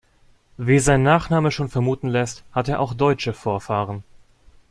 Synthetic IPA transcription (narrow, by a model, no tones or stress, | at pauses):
viːzaɪnnaːχnaːməʃoːnfɛɐmuːtn̩lɛsthateːɐʔaʊxd̥ɔʏt͡ʃəfoːɐfaːʁən